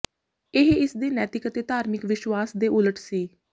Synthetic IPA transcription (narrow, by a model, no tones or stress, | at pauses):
ɪɦɪsd̪eːnɛːt̪ɪkət̪eːt̪aːɾmɪkʋɪʃwaːsd̪eːʔʊləʈsiː